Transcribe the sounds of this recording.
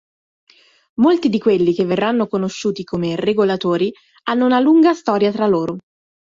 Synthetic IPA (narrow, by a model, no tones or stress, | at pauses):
molt̪id̪ikwelːik̟evːerːanːokonoʃːuːt̪ikʰomereɡolat̪oːɾi | anːounaluŋɡast̪ɔːɾjat̪ɾalːoːɾo